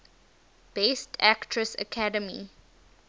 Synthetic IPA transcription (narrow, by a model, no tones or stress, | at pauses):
b̥estʰæktʰɹəsə̰kʰadəmḭ